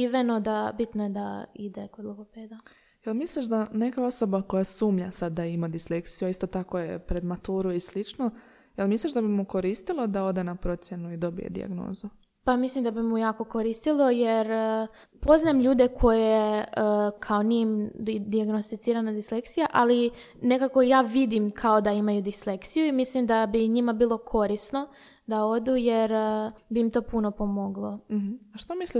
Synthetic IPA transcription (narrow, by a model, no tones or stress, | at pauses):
iʋeno̞d̪abit̪noje̞d̪aid̪ekod̪lˠoɡopeːd̪a | jelmisliʃd̪anekao̞so̞bako̞jasuːmʎasad̪ːaimad̪islekt̪sijuaist̪o̞t̪akojḛpɾed̪mat̪uːɾuislit͡ʃno | jelmisliʃd̪abimuko̞ɾiːst̪ilˠo̞d̪ao̞d̪e̞napɾo̞t̪sʲje̞nuid̪o̞bḭjḛd̪ḭa̰ɡno̰ːzu | pamislimd̪abimujaːko̞koɾist̪ilˠo̞jeɾ | po̞znaemʎuːd̪e̞kʰo̞jeəkʰao̞nimd̪iaɡno̞st̪it̪siːɾanad̪isle̞kt̪sijaʔali | nekako̞jaːʋid̪imkʰaod̪aimajud̪isle̞kt̪sijuimislimd̪abiɲimabiːlˠo̞kʰo̞ɾisno̞ | d̪ao̞d̪ujeɾbiːmt̪o̞ːpuno̞po̞mo̞ɡlˠo̞m̩h̩aʃt̪omisli